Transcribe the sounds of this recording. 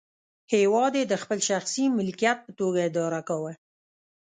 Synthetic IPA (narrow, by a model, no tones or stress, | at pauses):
hewɑd̪ed̪əxpəlʃaxsimɪlkijat̪̚pət̪oɡaɪd̪ɑɾakawa